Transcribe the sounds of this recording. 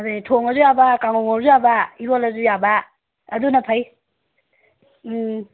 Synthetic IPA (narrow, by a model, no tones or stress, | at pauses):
dejtʰoŋɐzujabakaŋoŋoɾzujabaiɾolɐzujabaː | dunɐpʰaj